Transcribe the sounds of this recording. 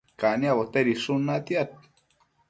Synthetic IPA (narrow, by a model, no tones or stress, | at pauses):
kaniaβot̪eɾisunat̪iat̪̚